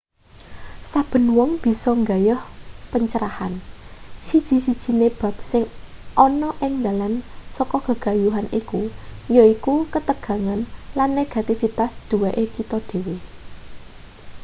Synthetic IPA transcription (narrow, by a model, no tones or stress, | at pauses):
sab̥ə̤nwɔŋb̥i̤sɔŋɡajʊhpəɲt͡ʃəɾaha̰nsid̥ʒ̥i̤sid̥ʒ̥i̤neb̥ä̤p̚sɪŋʔɔnɔʔɪŋd̪alansɔkɔɡ̥əɡ̥a̤juɦanikujɔikukət̪əɡ̥ä̤ŋanlanːeɡ̥a̤t̪ifit̪asd̪̥ṳweʔekit̪ɔd̪̥e̤we